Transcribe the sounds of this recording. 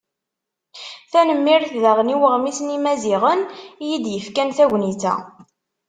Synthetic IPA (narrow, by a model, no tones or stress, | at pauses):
θænəmːiɾθðæʁniwəʁmisnimæziʁənjid̪jəfkænθæʝniθæ̰